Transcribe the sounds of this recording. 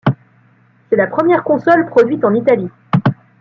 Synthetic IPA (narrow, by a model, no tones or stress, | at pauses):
sɛlapχəmjɛʁkɔ̃sɔlpχɔd̪ɥit̪ɑ̃nit̪ali